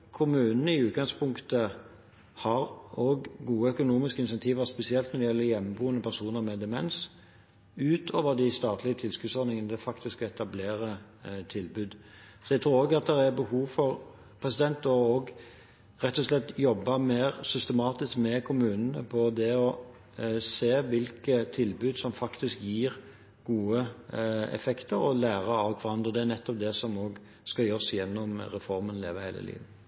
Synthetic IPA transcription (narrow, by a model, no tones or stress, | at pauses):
kʰʊmʉːnn̩əɪʉːt̪ɡɑŋspʰʊŋkt̪ə | hɑɾoɡɡuːəœkʊnuːmɪskəɪnsɛnt̪ʰiːʋəspɛsɪɛlt̪nɔɾd̪ɪjɛlːəɾjɛmːəbuːənəpʰæʁsuːnəɾmɛd̪ɛmɛns | ʉːt̪ʰoːʋəɾd̪ɪst̪ɑːt̪ʰlɪət̪ʰɪlskʉd̪sɔɾnɪŋənəd̪ɛfɑkt̪ɪskɛt̪ɑbleːɾət̪ʰɪlbʉːd̪sɔjɛɡt̪ʰɾuːɾoːɡɑt̪̚d̪ɛɾæɾbəhuːʋfɔʁ | pʰʁɛsɪd̪ɛnt̪ɔɡ | ɾɛt̪ːɔslɛt̪ːjɔbːəmeːɾsʏst̪əmɑːt̪ɪskmɛkʰʊmʉːnənəpʰɔd̪ɛɔ | seːʋɪlkət̪ʰɪlbʉːd̪sɔmfɑkt̪ɪskjiːɾ | ɡ̥uːə | ɛ̰fɛkt̪əɾɔlæːɾəɑlk̪ʰʋɑɾɑnd̪ʁəd̪ɛæɾnɛt̪ːɔp̚d̪ɛsɔmoːɡ | skɑjœsjɛnːɔmɾɛfɔɾmənlḛːʋəhæɪlə̰lḭːʋə